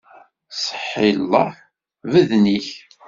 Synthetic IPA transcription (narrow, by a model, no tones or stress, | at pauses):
sˤə̥ħːilːɑ | vəðniç